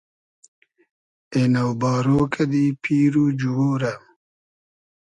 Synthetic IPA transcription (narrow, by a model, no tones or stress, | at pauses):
enawbɑːɾoːkʰɐd̪ipʰiːɾud͡ʒuwoːɾam